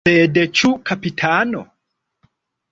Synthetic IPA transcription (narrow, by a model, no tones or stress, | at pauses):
ɛdɛt͡ʃukapitʰanɔ̰